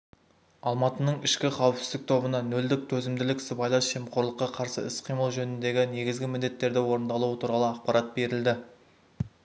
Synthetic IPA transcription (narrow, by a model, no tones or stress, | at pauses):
ɑlˠmɑt̪ənəɴɪʃkʲɪqʰɑwəpsɪzd̪ɪk̚t̪ʰo̞bənɑnɵld̪ɪk̚t̪ʰɵzɪmd̪ɪlɪkʲsɪbɑjlˠɑnsʒe̞mqʰo̞ɾlˠəqːɑqʰɑɾsə̰ɪsqʰijməlˠʒɵnɪnd̪e̞ɡʲɪne̞ɡʲɪzɡʲɪmɪnd̪e̞t̪ːe̞ɾd̪ɪwo̞ɾənd̪ɑlˠuwət̪ʰuɾɑlˠəɑqpɑɾɑt̪̚be̞ɾɪld̪ɪ